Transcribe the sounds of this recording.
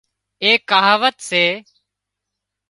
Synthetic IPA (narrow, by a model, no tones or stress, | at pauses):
eːkaːɦʋət̪seː